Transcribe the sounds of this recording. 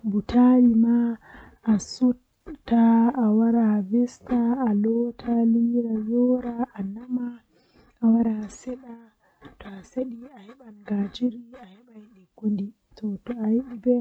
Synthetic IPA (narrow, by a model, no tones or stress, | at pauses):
butʰalima | asu | tːaawaɾavɛstaalɔtʰaliɾajɔɾaʔanama | awaɾasɛɗa | tɔaseɗiahɛɓanɡad͡ʒiɾiahɛɓajiɗiɡundi | tɔtɔajiɗibɛ